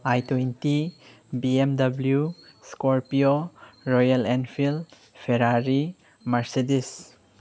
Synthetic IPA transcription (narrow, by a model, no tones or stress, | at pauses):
ajtwenti | biemdɐbljuskoɾpioɾɔjalenpʰil | pʰeɾaɾi | mɐɾsedis